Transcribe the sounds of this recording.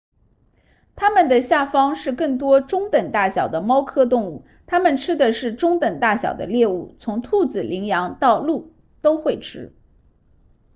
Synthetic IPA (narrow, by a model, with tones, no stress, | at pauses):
t̪ʰa˥mə˨nd̪ə˩ɕja˥˩fɑ˥ŋʂɻ̩˥˧kɤ˥˩ŋt̪̬wɔ˥ʈ͡ʂʊ˥ŋt̪ə˨˩ŋt̪a˥˩ɕjɑ˨˩ʊd̪ə˦mɑ˥ʊkʰɤ˥t̪̬ʊ˥˧ŋu˥˩ | t̪ʰa˥mə˨nʈ͡ʂʰɻ̩˥d̪ə˨ʂɻ̩˥˩ʈ͡ʂʊ˥ŋt̪ə˨˩ŋt̪a˥˩ɕjɑ̰˨˩ʊd̪ə̰˦ljɛ˥˧u˥˩t͡sʰʊ˧˥ŋt̪ʰu˥˩t͡sɹ̩˨˩li˧˥ŋjɑ˧˥ŋt̪ɑ˥˧ʊlu˥˩ | t̪o˥ʊxwe˥˩ɪʈ͡ʂʰɻ̩˥